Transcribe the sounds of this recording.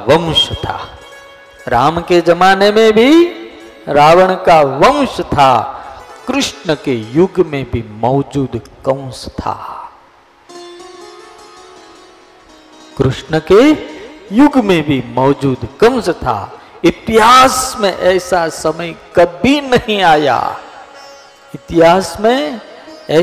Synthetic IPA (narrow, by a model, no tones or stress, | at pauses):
ʋəmʃt̪ʰa̰ː | ɾaːmked͡ʒɐmaːnemẽbʱi | ɾaːʋəɽ̃kaʋəmʃt̪ʰa | kɾʊʃnəkejʊɡmẽbʱimɔːd͡ʒuːd̪kə̃wst̪ʰa̰ː | kɾɪʃnəke | jʊɡmẽbʱimɔːd͡ʒuːd̪kɐ̃ʊ̃st̪ʰa̰ɪt̪ɪɦaːsmẽʔɛːsasɐməjkɐbʱinɐɦĩaːja̰ː | ɪt̪ɪɦaːsmẽ | ɛː